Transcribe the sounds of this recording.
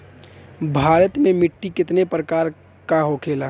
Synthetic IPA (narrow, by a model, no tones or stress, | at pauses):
bʱaːɾət̪mẽmɪʈːikɪt̪nepɾəkaːɾ | kaɦokʰeːla